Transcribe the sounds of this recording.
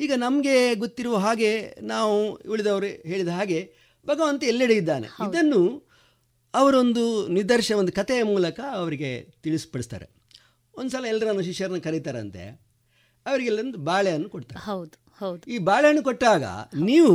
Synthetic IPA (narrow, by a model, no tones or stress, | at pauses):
iːɡɐnɐmɐɡe̞ɡot̪ːiɾuʋɐɦaːɡe̞naːʋuuɭid̪ɐʋɐɾuɦe̞ːɭid̪ɐɦaːɡe̞ | bɐɡɐʋɐnt̪ɐɛlːiɽeid̪ːaːnḛid̪ɐnːu | ɐʋɐɾo̞nd̪unid̪ɐɾʃɐond̪ukɐt̪eɐmuːlɐkɐɐʋɐɾiɡe̞t̪iɭispɐɽist̪a̰ːɾḛ | ond̪usɐlɐɛlːɐɾɐanːuʃiʃɐɾɐnːɐkɐɾijt̪aːɾɐ̰nt̪e̞̰ | ɐʋɐɾiɡɛlːɐɾɐnd̪ubaːɭɛjɐnːukoʈt̪a̰ːɾewd̪u | hɐwd̪iːbaːɭɛjɐnːukoʈːaːɡɐ̰niːʋu